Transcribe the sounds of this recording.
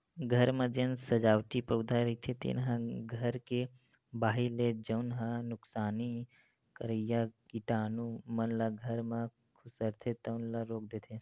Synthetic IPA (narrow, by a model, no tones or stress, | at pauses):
ɡʱəɾmẽd͡ʒensəd͡ʒaːwʈipəʊd̪ʱaɾəɦit̪ʰet̪ḭnɦãɡʱəɾke | baːɦiled͡ʒəʊnɦãnʊksaːni | kəɾəjakiʈaːnumənlaɡʱəɾme | kʰusəɾt̪ʰet̪əʊnlaɾok̚d̪et̪ʰe